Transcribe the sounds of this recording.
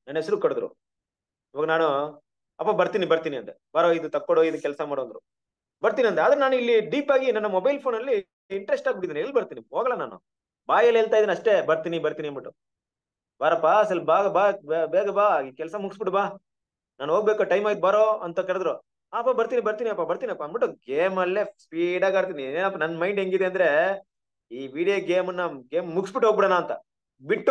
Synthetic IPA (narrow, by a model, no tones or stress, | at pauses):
nɐnːesɾukɐɽd̪ɾṵ | iʋaːɡɐnaːnu | ɐpːabɐɾt̪iːnibɐɾt̪iːniɐnt̪ebɐɾoːid̪ut̪ɐkːoɳɽoid̪ukɛlsɐmaːɽoːnd̪ɾu | bɐɾt̪iːniɐnt̪eaːd̪ɐɾenaːnuilːiɖiːpaːɡinɐnːɐmɔbɐjlpʰoːnɐlːi | iɳʈɾesʈaːɡbiɽid̪iːnelːbɐɾt̪iːniɦoːɡɐɭlanaːnṵ | baːjɐleːɭt̪aːid̪inɐʂʈe̞bɐɾt̪iːnibɐɾt̪iːniɐmbiʈu | b̥aɾɐpːaːɐsɐlːbaːɡɐbaːbbeːɡɐbaːikɛlɐsɐmuɡsbiʈbaː | naːnɦoːɡ̚bekoʈɐjmaːɡit̪̚bɐɾoɐnt̪ɐkɐɭd̪ɾoː | aːpːaːbɐɾt̪inibɐɾt̪iniɐpːabɐɾt̪iniɐpːabiʈːuɡeːmɐlːespiːɽaːɡaːɾt̪̬inieːnɐpːɐnɐnːmɐjɳɖɦeŋɡid̪e̞ɐnd̪ɐɾe̞ | iːʋiːɽijoɡeːmɐnːɐɡeːmmuɡsbiʈɦoːɡ̚biɽanaːnt̪ɐ̰ | biʈː